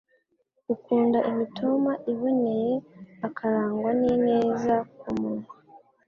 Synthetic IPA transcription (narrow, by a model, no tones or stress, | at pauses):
ukuːndaʔimitʰomaʔiβo̞ne̞je̞akʰaɾaːŋɡwanine̞ːzakumunu